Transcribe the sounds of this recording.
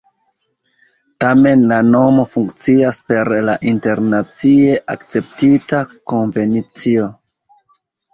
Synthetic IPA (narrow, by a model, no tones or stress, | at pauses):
tame̞nlano̞mo̞fuŋkt͡siaspe̞ɾlaʔinte̞ɾnat͡sie̞ʔakt͡se̞p̚titako̞nve̞nit͡sio̞